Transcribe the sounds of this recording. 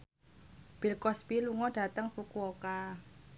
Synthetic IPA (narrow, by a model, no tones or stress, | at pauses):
b̥ilkɔspiluŋɔɖ̥a̤t̪əŋfukuoka